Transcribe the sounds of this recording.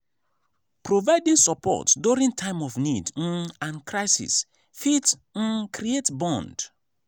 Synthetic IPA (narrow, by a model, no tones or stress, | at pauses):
pɹovaɪdĩŋsɔpʰɔ̰tduɹĩntʰãɪ̃mɔvnid̩ãnkɹaɪsḭs | fit̩kɾietbɔ̃nd